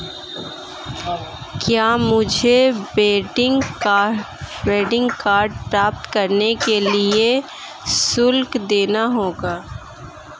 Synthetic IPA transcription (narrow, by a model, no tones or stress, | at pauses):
kjaːmʊd͡ʒʱebeːʈɪŋɡ | beːɖɪ̃ŋɡkaːɾɖ̚pɾaːp̚t̪kɐɾnekelie | sʊlkd̪eːnaɦoːɡaː